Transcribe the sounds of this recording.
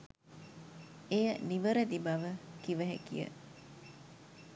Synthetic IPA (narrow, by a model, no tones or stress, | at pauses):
ejəniʋəɾed̪ibɐʋəkiʋɐɦḛkḭjə̰